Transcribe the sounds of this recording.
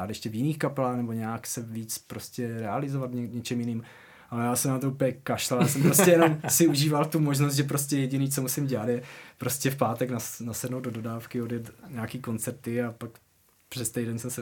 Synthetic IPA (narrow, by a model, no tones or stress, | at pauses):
aːt̪jɛʃcɛvjɪniːxkapɛlaːxnɛbo̞ɲɛaksɛviːt͡spɾo̞scɛɾɛalɪzovat̪vɲɛɲɛt͡ʃɛmjɪniːm | ʔalɛjaːsɛmnamt̪oupəɲɛkaʃlɛljaːsɛmpɾosɛjɛnomsɪuʒiːvalt̪umoʒnost̪ʒɛp̬ɾo̞scɛjɛɟɪniːt͡so̞musɪmɟɛlat̪jɛpɾo̞scɛfpaːt̪ɛknanasɛdnowdodo̞daːfkɪo̞djɛt̪ɲaaːkiːko̞nt͡sɛɾt̪ɪapak | pr̥ɛst̪ɛjdɛnsɛmsɛ